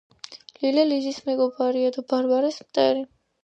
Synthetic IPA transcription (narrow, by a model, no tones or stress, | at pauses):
lilɛlizismɛɡɔbaɾiad̪abaɾbaɾɛsmt̪ʼɛɾi